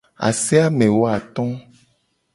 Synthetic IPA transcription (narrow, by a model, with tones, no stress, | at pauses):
a̰˨sɛ˦a˦mẽ˨wo˦a˨t̪ɔ̃˦